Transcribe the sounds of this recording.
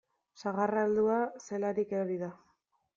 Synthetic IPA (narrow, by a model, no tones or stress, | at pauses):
saɣarald̪uase̞laɾikeoɾiða